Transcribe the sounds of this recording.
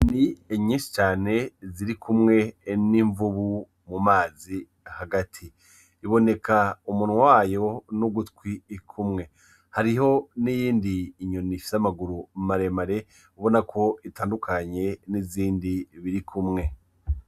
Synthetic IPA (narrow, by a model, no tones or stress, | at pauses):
nieɲiːnsi̥t͡ʃaːne̞ziɾikʰumŋe̞niɱvuβu | mumaːzi | haɡatʰiː | βo̞ne̞kaumunwawaːjo̞nuɡutkwiːkʰumŋe̞ | haɾiho̞nijiːndiːɲonifi̥samaɡuɾumaɾemaɾe̞ | uβo̞nakʰo̞itaːndukʰaɲe̞niziːndiβiɾikʰumŋe̞